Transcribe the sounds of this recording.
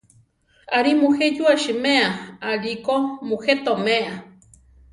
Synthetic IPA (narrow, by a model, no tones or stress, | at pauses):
aɾimuhed͡ʒuaʃɨmeaaɾikomuhet̪omeʔa